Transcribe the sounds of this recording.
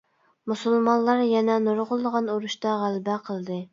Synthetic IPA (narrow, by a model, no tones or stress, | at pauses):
musulˠmɑnlˠːɑɾjɛnɛnoɾʁʊlˠd̪əʁɑnuɾuʃt̪ɑʁælbæqʰəlˠd̪ɨ